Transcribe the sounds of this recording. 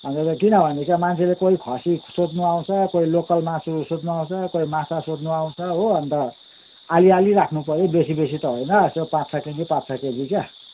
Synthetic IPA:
ʌnt͡setekinʌbʱʌnekjamant͡sʰelekoikʰʌsisod̪nuaw̃t͡sʰʌkoilokʌlmasusod̪nuaw̃t͡sʰʌkoimasasod̪nuaw̃t͡sʰʌɦoʌnt̪ʌ | alialiɾakʰnupʌɾobesibesit̪ʌɦojnʌsepãtt͡sʰaked͡zipãt̪t͡sʰakeɡika

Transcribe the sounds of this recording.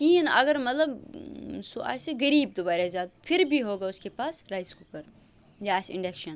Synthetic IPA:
kiːinɐ̰ɡɐɾmɐt̪lɐb | soa̰ːseɡɐɾiːb̚d̪ʊbaːɾazaːt̪̚pʰɪɾbʱiɦoːɡaːʊskepaːsɾajzkokɐɾ | jaaːseɪ̃ɳɖekʃɐn

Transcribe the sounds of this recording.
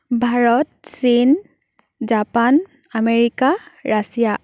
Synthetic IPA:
bʱaɹɔt̚sin | d͡ʒapan | ameɹikaɹasija

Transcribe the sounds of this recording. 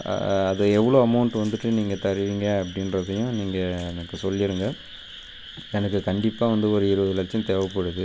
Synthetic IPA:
ɐðɐɛʋːɐɭoːɐmɐʊɳʈʋɐnd̪ɯʈːɯniːŋɡɐt̪ɐɾɪʋiːŋɡɐɐpːɐɽɪnɾɐðɐjʊ̃niːŋɡɐɛnɐkːɯsɔlːɪɾɯŋɡɐ | ɛnɐkːɯkɐɳɖɪpːaːʋɐnd̪ɯɔɾɯɪɾɯʋɐðɯɪlɐt͡ʃːjɐ̃t̪ɛːʋɐpːoːɽɯðɯ

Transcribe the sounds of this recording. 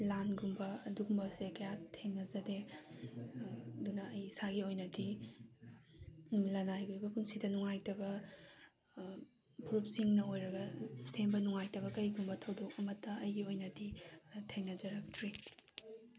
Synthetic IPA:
lanɡumbɐɐduɡumbɐsekɐjatʰenɐzɐde | dunɐːjsaɡiojnɐdi | lɐnajɡojbɐpunsidɐnuŋajtɐbɐ | pʰuɾup̚siŋnɐojɾɐɡɐsembɐnuŋajtɐβɐkɐjɡumbɐtʰɐwdok̚ɐmɐtːɐːjɡiojnɐditʰeŋnɐzɐɾɐk̚tʰɾi

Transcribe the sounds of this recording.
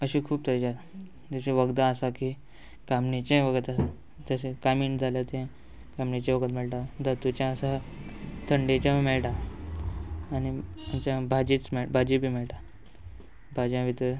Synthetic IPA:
əɕikʰuːb̚t̪əɾd͡ʑat̪ | d͡zesẽʋəɡd̪ãəsaki | kamnit͡ɕẽʋəɡət̪a | d͡zəsẽkamiːnd͡zʱaljat̪ẽ | kamɳit͡ɕẽʋəɡət̪meɭʈãd̪ʱət̪ut͡ɕjãəsa | t̪ʰəɳɖet͡ɕjãmeɭʈa | niamt͡ɕjãbʱad͡ʑit͡smeɭbʱad͡ʑibʱiːmeɭʈa | bʱad͡ʑjãʋit̪ə

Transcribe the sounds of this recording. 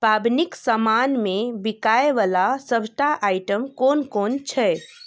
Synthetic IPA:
pabniksəmanmẽbikaeʋalasəbʱʈaʔaiʈəmkonkont͡ʃʰɛ

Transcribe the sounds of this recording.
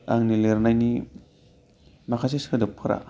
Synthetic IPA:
aŋnileɾnajni | makʰaseskɯdɯpʰɯɾa̰

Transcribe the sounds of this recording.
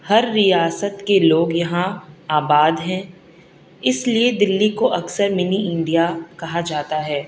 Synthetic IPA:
hɐɾːijaːsət̪keloːɡjɐɦãaːbaːd̪ɦɛ̃ | ɪslied̪ɪlːikoʔɐksəɾmɪniɪ̃ɳɖijakɐɦad͡ʒaːt̪aɦɛː

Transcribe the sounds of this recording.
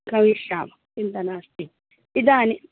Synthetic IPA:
kɐwiːʃa̰ːmɐ | ɪnt̪ɐnaːst̪iː | ɪd̪aːnɪ

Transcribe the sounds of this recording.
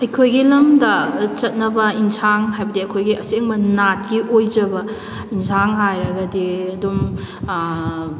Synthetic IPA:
ɐjkʰojɡilɐmdɐt͡ʃɐt̚nɐbɐinsʰaŋɦajbɐdiɐjkʰojɡiʔɐseŋbɐnat̚ɡiʔojd͡ʒɐbɐ | insʰaŋɦajɾɐɡɐdiɐdum

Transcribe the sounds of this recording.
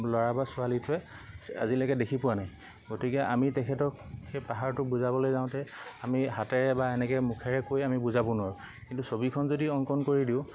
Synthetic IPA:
lɔɹabasʊalitʊɛ | a̰zilɛkɛdekʰipʊwanaj | ɡotikɛʔamitɛkʰɛtɔk | xejpaɦaɹtʊbuzabɔlojzaʊ̃tɛ | amiɦatɛɹɛbaenɛkɛmukʰɛɹɛkojamibuzabɔnʊaɹʊ | kintusobikʰɔnzodiɔŋkɔnkoɹidiʊ̃

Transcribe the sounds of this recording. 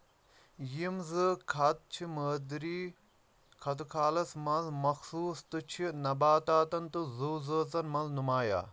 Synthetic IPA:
jimzɨkʰɐt̪̚t͡ʃʰiməːd̪ɾiː | kʰɐt̪̬ukʰaːlɐsmɐnzmɐxsuːst̪ɨt͡ʃʰinɐbaːt̪aːt̪ɐnt̪uzuːzəːt͡sɐnmɐnznumaːja̰ː

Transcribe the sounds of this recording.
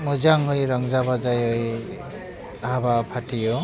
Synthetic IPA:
muzaŋɦɯjɾaŋzaβazajɯj | ahabapʰatʰijɔ

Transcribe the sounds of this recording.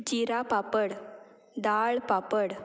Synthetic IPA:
d͡ʑiɾapapəɽ | d̪aɭpapəɽ

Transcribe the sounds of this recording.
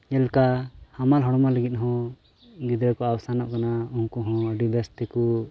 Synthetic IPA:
ɛlkahamalɦɔɽɔmaləɡit̪̚ˀɦɔ̃ | ɡ̪id̪ɾəkɔawsanɔʔkanauŋkɔɦɔ̃əɖibɛst̪ɛku

